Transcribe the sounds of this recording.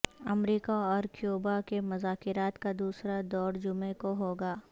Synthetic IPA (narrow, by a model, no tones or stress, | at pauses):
ɐmɾiːkaɔːɾkjoːbakemʊzaːkɪɾaːt̪kad̪uːsɾad̪ɔːɾd͡ʒʊmekoɦoːɡaː